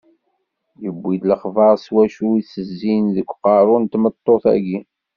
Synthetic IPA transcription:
jəbːid̪ləχvɑʁswæʃuiθəzːinðəkʷːqɑɾˤont̪mət̪ˤːoθæ̰ɡi

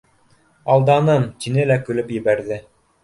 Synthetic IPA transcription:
ɑlˠd̪ɑnɤmt̪ʲinɘlækɵ̆lɵpjɘ̆bæɾðɘ

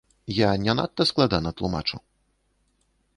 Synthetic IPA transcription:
janʲɛna̰t̪ːɐsklˠad̪anɐt̪lˠuma̰t͡ʂṵ

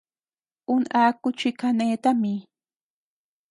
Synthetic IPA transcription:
ʊnaːkʊt͡ʃɪkaneːt̪amɪ

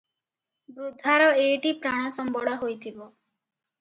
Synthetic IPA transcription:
bɾud̪ʱːaɾɔeʈipɾaɽ̃ɔsɔmbɔɽɔɦojt̪ʰibɔ

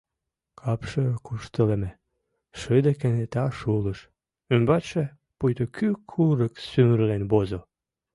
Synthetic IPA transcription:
kʰɑpʃəkuʃt̪əlemĕ | ʃəd̪ekenet̪ɑʃuləʃ | ynbɑt͡ɕe | pujt̪okʰykʰuɾəksymərlenbozo

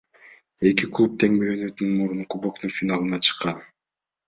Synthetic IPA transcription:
e̞kiklˠup̚t̪ʰe̞ŋbøjønøt̪ynynmuɾuɴqubokt̪unfʲinalˠɯnɑt͡ʃʰɯ̥qːɑn

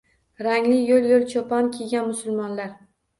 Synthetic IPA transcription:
ɾaŋlɪjoljolt͡ʃʰopʰɒnkʲʰeɡʲanmʊsʊlˠmɒnlaɾ

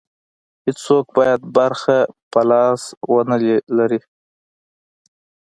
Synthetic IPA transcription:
hɪt͡ssok̚bɑjad̪̚baɾxapalɑswənallaɾi

